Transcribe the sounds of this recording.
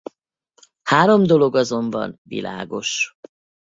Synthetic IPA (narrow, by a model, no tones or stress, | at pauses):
haːɾo̞md̪o̞lo̞ɡɒzo̞mbɒ̰nvḭla̰ːɡo̞ʃ